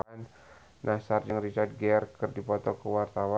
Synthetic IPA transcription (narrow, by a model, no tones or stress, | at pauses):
an | nʔasard͡ʒəŋrit͡ʃard̪̚ɡɛrkərdipɔt̪ɔkəwart̪awa